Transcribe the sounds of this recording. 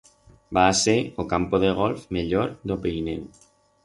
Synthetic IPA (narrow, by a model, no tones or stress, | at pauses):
baːseokampoðeɣ̞ɔlfmeʎoɾd̪opejnew